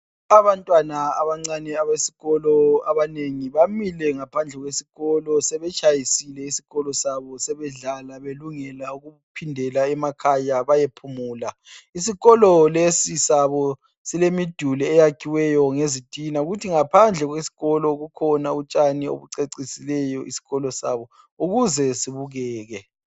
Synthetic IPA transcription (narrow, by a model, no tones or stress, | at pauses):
aβantʼwanaːβaŋ͡ǀanɛaβesi̥ɣɔlɔaβaneŋiβamilɛŋapʰand͡ɮʱɛɣwesiɣɔlɔsɛβɛt͡ʃʰʼajisilɛisiɣɔlɔsaβɔsɛβɛɮalaβeluŋɛlauɣu | pʰindʱɛlaɛmakʰajaβajepʰumuːla | isiɣɔlɔlesisaβɔ | silemid̥ʱulɛːjakʰiwɛjɔŋezid̥ʱʼinauɣutʰiŋapʰand͡ɮʱɛɣwesi̥ɣɔlɔɣukʰɔnaut͡ʃʼanio̰βuǀeǀisilɛjɔʔisi̥ɣɔlɔsa̰βɔ | uɣuzɛsiβuɣɛːɣɛ